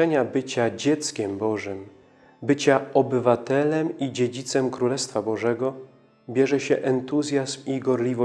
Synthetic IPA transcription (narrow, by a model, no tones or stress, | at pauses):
ɛɲabɘt͡ɕad͡ʑɛt̪skʲɛmbɔʐɘm | bɘt͡ɕaɔbɘvat̪ɛlɛmid͡ʑed͡ʑit̪sɛmkɾulɛst̪fabɔʐɛɡɔ | bʲjɛʐɛɕɛʔɛnt̪uzʲjazmiɡɔɾlʲivɔ